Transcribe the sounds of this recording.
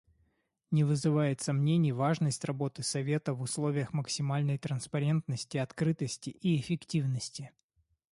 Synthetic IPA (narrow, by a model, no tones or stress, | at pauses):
nʲɪvɨzɨvajɪt̪sɐmnʲenʲɪjvaʐnəsʲtʲrɐbo̞t̪ɨsɐvʲe̞t̪əvʊslˠo̞vʲɪjəxməksʲɪmalʲnəjt̪ɾənspɐɾʲe̞nt̪nəsʲtʲɪɐt̪kɾɨt̪əsʲtʲɪʔiɪfʲɪktʲivnəsʲtʲɪ